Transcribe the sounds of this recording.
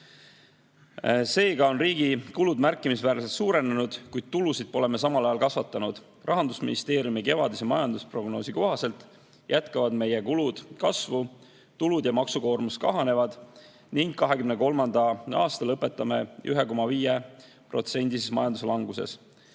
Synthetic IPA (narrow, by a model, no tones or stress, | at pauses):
se̞ːɡ̥ɑo̞nriːɡ̥ikulud̪mærkːˑimisvæːrset̪suːɾe̞nenud̪̥kujd̪̥̚t̪ulusid̪̥̚po̞le̞me̞s̬ɑmɑlɑjɑlkɑsvɑt̪ːˑɑnud̪̥ | rʔɑɦɑnd̪̥usmḭnist̪e̞ːɾjumike̞vɑd̪isemɑjɑnd̪uspro̞ɡno̞ːsiko̞ɦɑse̞lt̪ˑ | jæt̪kɑvɑd̪me̞jekulud̪̥kɑsvu | t̪ulud̪̥jɑmɑksuko̞ːrmust̪kɑɦɑne̞vɑd̪̥ | niŋɡkːɑɦe̞kymneko̞lmɑnd̪ɑɑːst̪ɑlɤpːˑe̞t̪ˑːɑme̞ʔyɦeko̞mɑviːje | pro̞̰t̪se̞nʲd̪̥isesmɑjɑnd̪us̬elɑŋɡuse̞̰s